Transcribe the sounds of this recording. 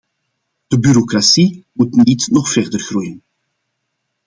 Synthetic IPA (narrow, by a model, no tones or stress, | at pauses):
d̥əbyɾokrasimutnitnɔχfɛrdərɣrujən